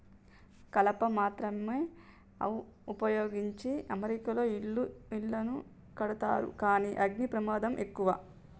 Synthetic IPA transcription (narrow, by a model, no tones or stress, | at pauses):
kɐlɐpɐmaːt̪ɾɐmeː | ɐ̰upɐjo̞ːɡiɲt͡ʃiɐmɐɾikɐlo̞ːiɭːuiɭːɐnu | kɐɽɐt̪a̰ːɾṵkaːniːʔɐɡnipɾɐmaːd̪ɐmʔe̞kːuʋaː